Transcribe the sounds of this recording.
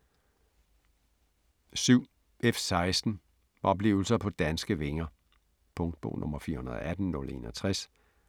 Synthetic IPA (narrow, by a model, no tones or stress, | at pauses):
syʊ̰ | efsɑ̈ɪsd̥n̩ | ɒ̽b̥le̝̰ːʊl̩sɐpʰɒ̽d̥ænsɡ̥əʋe̝ŋɐ | pʰɔ̽ŋd̥̚b̥o̝̰ːnʔɔ̽mɐfiːɐhunɐð̞̰ˠʔæd̥n̩nɔ̽le̝̰ːnɒ̽t͡sʰʁɛs